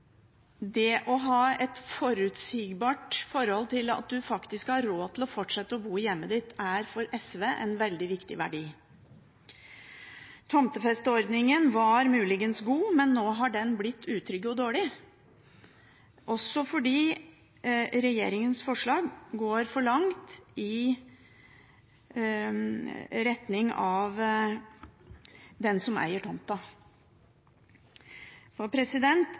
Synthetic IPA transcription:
d̪ɛʔɔɦɑːɛt̪fɔɾʉt̪sɪːɡbɑːʈfɔɾhɔlt̪ʰɪlɑ̰t̪̚d̪ʉfɑkt̪ɪskhɑɾɾoːt̪ʰɪlɔfɔʈʂɛt̪ːəɔbuːjɛmːəd̪ɪt̪ːæɾfɔɾɛsʋeːʔɛnʋɛld̪ɪʋɪkt̪ɪ̰ʋæ̰ɖiː | t̪ʰɔmt̪əfɛst̪əɔɾd̪nɪŋənʋɑɾmʉːlɪɡənsɡuːmɛnːoːɦɑɖɛnblɪt̪ʰːʉːt̪ʰɾʏɡəɔd̪oːɭɪ | ʔɔsːɔfɔɖiː | ɾɛjḛːɾɪŋənsfɔʂɭɑːɡɡoːɾfɔɭɑŋt̪ɪ | ɾɛt̪nɪŋɑʋ | d̪ɛnsɔmæ̰ɪəʈʰɔmt̪ɑ | fɔpʰɾɛsɪd̪ɛnt̪

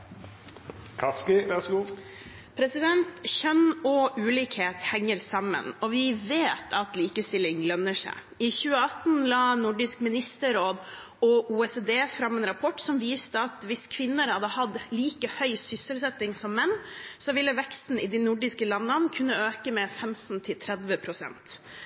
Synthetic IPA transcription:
kʰɑskɪʋæʁsɡuː | pʰɾɛsɪd̪ɛnt̪çœnɔʔʉːliːkheːt̪hɛŋːəɾsɑmːə̰nɔʋɪʋeːt̪ʰɑt̪liːkəst̪ɪlːɪŋlœnːəʂæ̰ɪ | ɪçʉːəɑt̪n̩lɑːnʊɖɪskmɪnɪst̪əɾoːd̪ | ɔʔuːɛseːd̪eːfɾɑmɛnɾɑpʰɔʈːsɔmʋiːst̪əɑt̪ʋɪskʰʋɪnːəɾhɑd̪əhɑd̪liːkəhœʏsʏsəlsɛt̪ːɪŋsɔmːɛnːsɔʋɪlːəʋɛkst̪n̩ɪd̪inʊɖɪskəlɑnːənkʰʉnːəøːkəmɛfɛmt̪n̩t̪ʰɪlt̪ʰɾɛd̪ʋəpʰɾʊsɛ̰nt̪

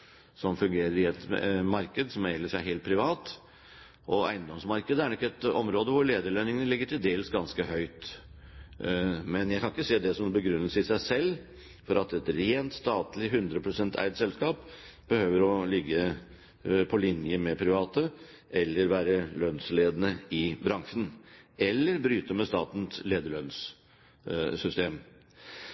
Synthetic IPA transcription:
sɔmfʉŋɡeːɾəɾɪɛt̪mɑɾkəd̪sɔmæɪləʂæɪɦeːlt̪̚pʰɾɪʋɑːt̪ | ʔɔæ̰ɪənd̪ɔmsmɑɾkəd̪əæɾɳɔɪkːɛt̪ɔmɾoːd̪əʋʊɾɭeːd̪əɭœnɪŋənəlɪɡːəʈʰɪld̪eːləsɡɑnskəhœʏt̪ | mɛnjæɪkʰɑnɪkːəseːd̪ɛsɔmbəɡɾʉnːəsəɪsæɪsɛlː | fɔɾʔɑt̪ɛt̪ɾeːnt̪st̪ɑːt̪lɪɦʉnd̪ɾəpʰɾʊsɛnt̪ʰæ̰ɪd̪sɛlskɑːp | b̥əhøːʋəɾɔlɪɡːə | pʰɔlɪnjəmɛpʰɾɪʋɑːt̪ə | ʔɛlːəɾʋæːɾəlœnsleːd̪nəɪbɾɑŋʂənɛlːəɾbɾyːt̪əmɛst̪ɑ̰ːt̪n̩t̪leːd̪əɭœns | sʏst̪eːm

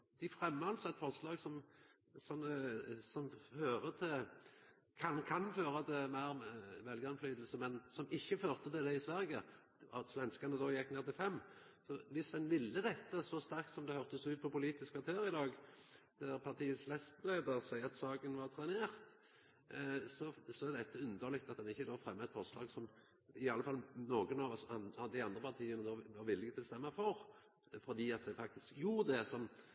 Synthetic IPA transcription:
d̪̥ɪfʁɛmːɑlsɛt̪fɔɾslɑːɡsɔm | sɔnːəsɔmføːʁət̪ʰɪl | kʰɑnkʰɑnføːɾəd̪ɛmæɪʁmʋɛlɡəɑnflyːd̪əl̩səmɛnsɔmɪçːəføːʁt̪ət̪ɪld̪ɛɪsʋæɾɡə̰ | ɔt̪sʋɛnskɑnəd̪oːjɛkːneːʁt̪ɪlfɛmː | sɔʋɪsɛnʋɪlːəd̪ɛt̪ːəsɔst̪æʁk̚t̪sɔmd̪ɛhœʁt̪əsʉːt̪̚pʰɔpʊliːt̪ɪskʋɑʁt̪ʰøːɾɪd̪ɑːɡ | d̪̥æɾpʰɑt̪ʰiːəslɛst̪leːd̪əɾsæɪɑt̪sɑːɡənʋɑɾt̪ʰɾɛneːʁt̪ | sɔsɔæʁd̪ɛt̪ːəʉnd̪əlɪkt̪ɑt̪̚d̪ɛnɪçːəd̪oːfɾɛmːəɛt̪fɔʁslɑːɡsɔm | ɪɑlːəfɑlnoːɡənɑʋsɑɑd̪æɪɑnd̪ɾʁəpʰɑʁt̪ʰiːənəd̪oːʋɑɾʋɪlːɪɡət̪ʰɪlst̪ɛmːəfɔɾ | fɔd̪iːɑt̪̚d̪ɛfɑkt̪ɪskjuːɾd̪ɛsɔm

